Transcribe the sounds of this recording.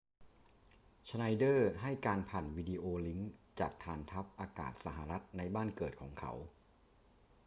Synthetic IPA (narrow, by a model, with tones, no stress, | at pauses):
t͡ɕʰa˧na˧jdɤː˥˩ɦa˥˩jkaː˧npʰaː˨˩nwiː˧diː˧ʔoː˧li˦˥ŋt͡ɕaː˨˩k̚t̪ʰaː˧nt̪ʰa˦˥p̚ʔaː˧ka̰ː˨˩t̪̚sa˨˩ɦa˧˩ɾa˦˥t̪̚na˧jbaː˥˩nkɤː˨˩t̪̚kʰɔː˩˦ŋkʰa̰˦˥w